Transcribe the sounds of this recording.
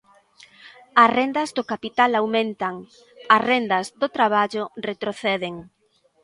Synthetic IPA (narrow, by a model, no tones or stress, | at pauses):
ɐsrend̪ɐzðokapit̪alawmẽnt̪aŋ | ɐsrend̪ɐzðot̪ɾaβ̞aʎʊret̪ɾoθɛðeŋ